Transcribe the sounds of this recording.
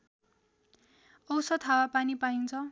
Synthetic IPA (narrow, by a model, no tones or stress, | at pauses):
ʌwsʌt̪ʰawapanipaint͡sʰʌ